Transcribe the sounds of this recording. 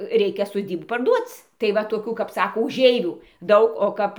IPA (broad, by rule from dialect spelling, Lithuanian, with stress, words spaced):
ˈrʲɛɪkʲɛ soːˈdʲiːbuː pɐrˈduɔt͡s tɐɪ ʋɐ toːˈkʲuː kɐp ˈsɑːkoː ʊˈʒʲɛɪʋʲuː ˈdɐʊk oː ˈkɐp